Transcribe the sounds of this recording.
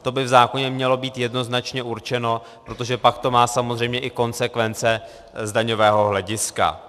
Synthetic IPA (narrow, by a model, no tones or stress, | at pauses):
t̪o̞bɪvzaːko̞ɲɛmɲɛlo̞biːt̪jɛdno̞znat͡ʃɲɛʔuɾt͡ʃɛno̞ | pɾot̪o̞ʒɛpakt̪o̞maːsamozrɛjmɲɛʔɪko̞nsɛkvɛnt͡sɛ | zdaɲo̞vɛːɦo̞ɦlɛɟɪska̰